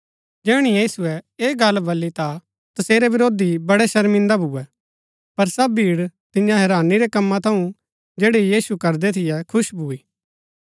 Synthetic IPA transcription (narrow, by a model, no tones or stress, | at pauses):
d͡ʒɛːɽ̃ijiːsuɛeːɡɐlːbɐlːit̪a | t̪ɐseːɾɛʋɪɾoːd̪ibɐɽɛʃɐɾmɪ̃nd̪abʱʊːɛ | pɐɾsɐbbʱiːɽt̪ɪ̃jãɦɛɾaːniɾɛkɐmːãt̪ʰɐ̃ũ | d͡ʒeːɽijiːsukɐɾd̪ɛt̪ʰɪjɛkʰʊʃbʱuːiː